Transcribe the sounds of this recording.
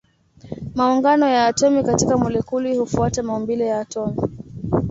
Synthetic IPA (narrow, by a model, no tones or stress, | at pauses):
mauŋɡanɔjaːtɔmikatikamulɛkulihufuatamaumbilɛjaːtɔmi